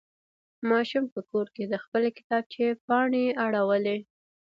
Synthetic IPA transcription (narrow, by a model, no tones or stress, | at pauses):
mɑʃumpəkoɾked̪əxpəlkɪ̥t̪ɑb̚t͡ʃepɑɳeaɽawəle